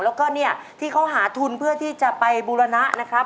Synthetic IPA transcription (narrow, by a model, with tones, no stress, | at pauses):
lɛː˦˥wkɔː˥˩ni˥˩ɐt̪ʰiː˥˩kʰa˦˥wɦaː˩˦t̪ʰu˧npʰɯ˥˩ɐt̪ʰiː˥˩t͡ɕa˨˩pa˧jbuː˧ɾa˧na˦˥ʔna˦˥kʰɾa˦˥p̚